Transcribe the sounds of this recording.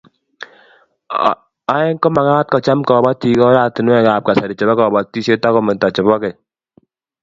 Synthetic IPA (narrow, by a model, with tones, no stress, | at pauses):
a˦ɛ˦ŋkɔ˦ma˨ɣaː˦t̚kɔ˨t͡ʃa˦mkɔ˨ba˦ti˨kɔ˦ɾa˨tɪ˨nwɛ˦kaː˨p̚ka˨sa˨ɾi˨t͡ʃɛ˨bɛ˦kɔ˨ba˨tːi˦se˦ta˦kɔ˦mɛ˨ta˨t͡ʃɛ˨bɔ˦kɛ˨